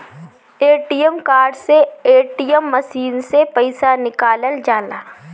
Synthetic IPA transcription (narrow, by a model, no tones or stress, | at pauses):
eːʈijəmkaːɾɖseeːʈijəmːɐʃiːnsepəɪsanɪkaːləld͡ʒaːlaː